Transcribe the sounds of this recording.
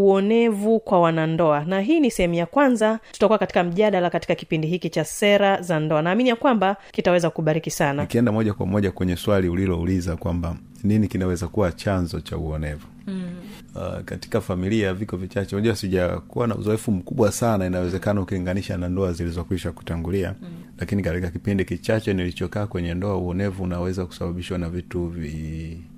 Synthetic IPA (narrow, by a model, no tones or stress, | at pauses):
uɔnɛvukwawanandɔanaɦiːnisɛhɛmujakwanzatu̥takuwakati̥kam̩ʄaɗalakati̥kaki̥pindiɦikit͡ʃasɛɾazandɔanaːminijakwambakitawɛzakukuɓaɾikisanakiɛndamɔʄakwa̰mɔʄakwɛɲɛswaliulilɔulizakwamba | ninikinawɛzakuwat͡ʃanzɔt͡ʃa̰uɔnɛvṵ | kati̥kafamiliavikɔvit͡ʃat͡ʃɛunaʄuwasiʄakuwana̰ṵzɔɛfum̩kuɓwasanainawɛzɛkanaukiliŋɡaniʃanandɔazilizɔkwiʃaku̥taŋɡulia̰lakinikatikakipindikit͡ʃat͡ʃɛnilit͡ʃɔkaːkwɛɲɛndɔauɔnɛvuːnawɛzaku̥saɓaɓiʃwanavituvi